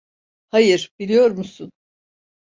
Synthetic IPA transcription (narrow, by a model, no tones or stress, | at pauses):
hajɯɾ̥bilʲijo̞ɾmusun